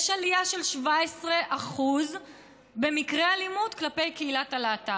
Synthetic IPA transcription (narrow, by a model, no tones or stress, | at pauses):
jɛʃalijaʃe̞lʃvaesʁeʔaχuz | be̞mikʁealimudklape̞jkeilatalaːta